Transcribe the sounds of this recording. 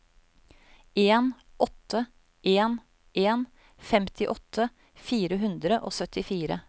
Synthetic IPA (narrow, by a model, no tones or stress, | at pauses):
eːn | ʔɔt̪ʰːə | ʔeːn | ʔeːn | fɛmt̪ʰɪʔɔt̪ʰːə | fiːɾəɦʉnd̪ɾəʔo̰ːsœt̪ʰɪfiːɾə̰